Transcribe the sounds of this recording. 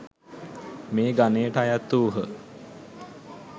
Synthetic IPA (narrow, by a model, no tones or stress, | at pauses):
meːɡaneːəʈajat̪ːuːɦə